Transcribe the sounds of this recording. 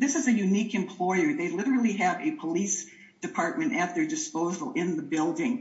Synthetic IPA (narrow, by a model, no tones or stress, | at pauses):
ðɪsɨzɨjʉnikɨ̃mpʰl̥ɔɪə˞ðeɪlɪɾə˞l̩ˠiɨvɨpʰəlis | d̥ɨpʰɑɹt̚mɨ̃ñtɨt̪̚ðə˞dɨspoʊzl̩ˠɪ̃nðəbɪlˠdɪ̃ŋ